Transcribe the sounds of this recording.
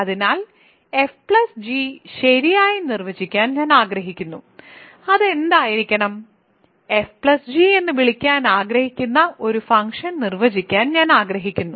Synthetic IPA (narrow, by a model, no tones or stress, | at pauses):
ɐðinaːl | efpɭɐsd͡ʑiɕeɾijaːjinirʋɐd͡ʑikʲːaːnɲaːnaːɡɾɐɦikʲːunːu | ɐðe̞nd̪aːjiɾikʲːɐɳɐm | e̞fpɭɐsd͡ʑie̞nːɨʋiɭikʲːaːnaːɡɾɐhikʲːunːɐʔo̞ɾufɐŋkʂɐnnirʋɐd͡ʑikʲːaːnɲaːnaːɡrɐɦikʲːunːu